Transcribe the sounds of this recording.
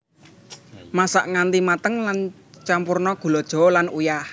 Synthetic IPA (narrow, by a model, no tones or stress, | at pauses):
masaʔŋant̪imat̪əŋlan | t͡ʃampurnɔɡ̥ṳlɔd̥ʒ̥ɔ̤lanujah